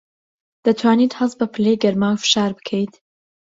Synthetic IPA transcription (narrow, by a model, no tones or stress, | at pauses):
d̪̥ɐt̪ʰwaːniːt̪hɐs̚bɐpʰɨlejɡɐɾmaːwfɨ̥ʃaːɾbɨ̥kʰəjt̪